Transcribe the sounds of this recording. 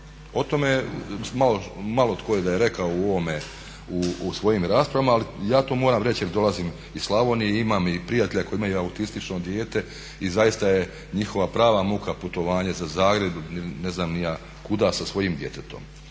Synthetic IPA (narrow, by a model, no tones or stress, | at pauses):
o̞t̪o̞memalomalo̞t̪kojed̪ajeɾe̞kaouoʋome̞ | uusʋo̞jimɾaːspɾaʋamaːlijaːt̪oːmoːɾaːmɾe̞t͡ɕjeɾd̪o̞lˠaziːm | islˠaʋonijeimamipɾijat̪e̞ʎakojimajuaut̪ist̪it͡ʃno̞d̪je̞ːt̪e̞ | izajist̪aje̞ | ɲixo̞ʋapɾaːʋamukaput̪o̞ʋaːɲezazaːɡɾe̞d̪unineznaːmnija | kud̪asasʋo̞jimd̪je̞t̪et̪o̞̰m